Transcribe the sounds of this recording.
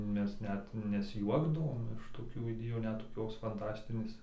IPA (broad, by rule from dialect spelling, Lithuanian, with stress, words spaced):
ˈmʲɛs ˈnʲɛt nʲɛsʲˈjuɔɡdɐʋoːm ɪʃ toːˈkʲuː ɪˈdʲeːjuː ˈnʲɛt toːˈkʲoːs fɐnˈtɑːsʲtʲɪnʲeːs